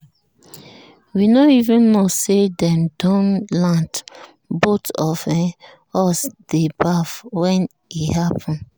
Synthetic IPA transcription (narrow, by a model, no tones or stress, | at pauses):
winoivũnmɔsedɛ̃mdɔ̃nlãnt | botɔfɛ̃ | ɔsd̥ebafwɛ̃n | ihapʰɔ̃n